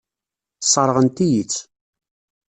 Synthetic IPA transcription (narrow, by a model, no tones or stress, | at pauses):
θsˤːəɾˤʁənt̪ijit͡sː